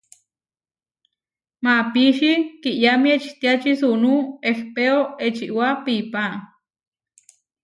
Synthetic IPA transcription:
mapiʃikiʔjamiet͡ʃt̪iat͡ʃisunuehpeoet͡ʃiʔwapipa

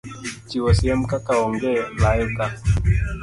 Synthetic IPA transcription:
t͡ʃiwɔsiam̩kakaɔŋɡɛlaɛka

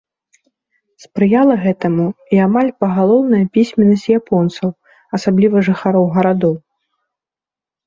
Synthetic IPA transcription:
spɾɨjalˠɐɣɛt̪ɐmuiamalʲpɐɣalˠɔwnɐjɐpʲisʲmʲɛnːɐsʲtʲjapɔnt̪sɐw | ɐsablʲivɐʐɨxaɾɔwɣɐɾad̪ɔw

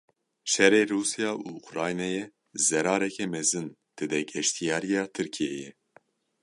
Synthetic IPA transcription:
ʃɛɾeːɾuːsijɑːʔuːukɾɑːjnɛjɛ | zɛɾɑːɾɛkʰɛmɛzɨn | d̪̥ɨd̪ɛɡɛʃt̪ʰijɑːɾijɑːt̪ʰɨɾkʰijejɛ

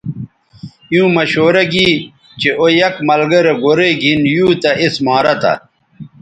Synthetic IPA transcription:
jũːmɐɕoːɾɐɡiː | t͡ɕeʔojɐkmɐlɡɐɾeɡoɾeɡʱinjuːt̪ɐʔismaːɾɐt̪ɐ̰

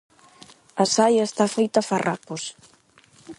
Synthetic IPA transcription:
ɐsajaest̪afejt̪afarʔa̰pos

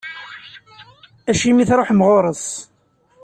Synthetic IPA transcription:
æʃimiθɾˤoħmʁoɾˤəs

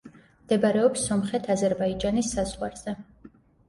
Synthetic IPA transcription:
md̪̥ɛbaɾɛɔpsːɔmχɛt̪ʰazɛɾbaid͡ʒanisːazʁwaɾz̥ɛ

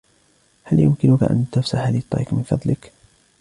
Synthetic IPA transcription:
haljʊmkɪnʊka̰ʔa̰nt̪afsaħalit̪ˤːɑ̰iːqmɪnfɑ̰d̪ˤlɪk

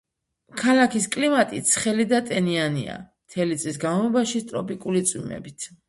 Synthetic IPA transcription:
kʰalakʰiskʼlimat̪ʼit̪sʰχɛlid̪at̪ʼɛnianḭa̰mt̪ʰɛlit̪sʼisɡamɔbaʃist̪ʼɾɔpʼikʼulit̪sʼwḭmɛ̰bit̪ʰ

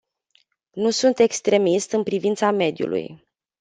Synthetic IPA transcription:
nusunt̪e̞kst̪ɾe̞mist̪ɨnpɾivint̪same̞d̪jṵlʔṵj

